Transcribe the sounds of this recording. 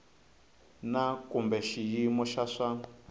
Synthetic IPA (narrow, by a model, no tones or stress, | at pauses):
nakʼumbɛʃijimɔʃaʂa